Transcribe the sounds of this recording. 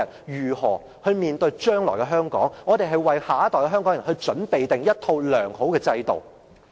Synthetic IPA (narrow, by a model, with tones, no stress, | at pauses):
ɐ˨n | jyː˨˩hɔː˨˩ | hɵ˧ɥmiː˨nt̪ɵ˧ɥt͡ʃœː˥ŋlɔː˨˩jkɛ˧ɦœː˥ŋkɔ̰ː˨˥ŋŋɔː˨˧t̪e˨jɦɐ˨jwɐ˨jhaː˨˥t̪ɔː˨jkɛ˧ɦœ˥ŋkɔ˨˥ŋjɐ˨˩hɵ˧ɥt͡ʃɵ˨˥npe˨jt̪ɪ˨ŋjɐ˥t̚t̪ʰo˧wlœː˨˩ŋho˨˥wkɛː˧t͡sɐ˧jt̪o̰˨w